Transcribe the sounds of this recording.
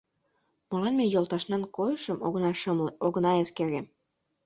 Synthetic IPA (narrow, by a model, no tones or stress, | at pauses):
mɤ̆lɑnmejolt̪ɑʃnɑnkojəʃə̆m | oɣnɑeskeɾem